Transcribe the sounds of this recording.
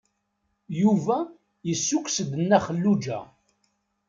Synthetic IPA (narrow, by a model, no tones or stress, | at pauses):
juvæ | jəsːukʷːsd̪ənːæχəlːud͡ʒæ̰